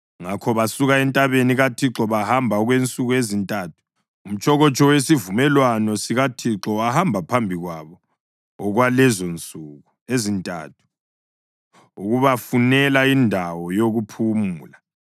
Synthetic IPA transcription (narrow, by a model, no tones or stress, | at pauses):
ŋakʰɔβasuɣaɛntʼaβeniɣatʰiǁɔβahambʱaɔɣwent͡sʼuɣuezintʼatʰu̥ | um̩t͡ʃʰʼɔɣɔt͡ʃʰʼɔwesivumɛlwanɔsiɣatʰiǁɔahambʱapʰambʱiɣwaβɔ | ɔɣwalɛzont͡sʼuːɣuezintʼa̰ːtʰu̥ | uɣuβafunɛlaindʱawɔjoɣupʰumuːla